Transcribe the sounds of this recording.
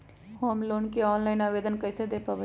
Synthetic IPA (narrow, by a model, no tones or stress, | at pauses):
hoːmloːnkeɔːnlaɪnaːʋeːd̪ənkəjsed̪epabə